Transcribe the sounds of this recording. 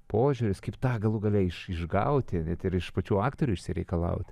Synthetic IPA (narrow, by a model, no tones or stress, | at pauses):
poːʒʲuɾʲɪskɐɪpt̪ɑːɡɐlˠʊɡɐlʲɛɪʃɪʒɡɐ̰ʊt̪ʲɪnʲɛt̪ɪɾɪʃpɐt͡ʃʲuːɑːkt̪oːɾʲuːɪʃʲsʲɪɾʲɛɪkɐlˠɐ̰ʊt̪ʲ